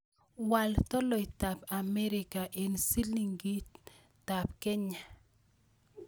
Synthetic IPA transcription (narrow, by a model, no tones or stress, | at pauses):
walt̪ɔlɔjt̪apamɛɾɪkaʔensiliŋɡit̪ | tapkɛɲa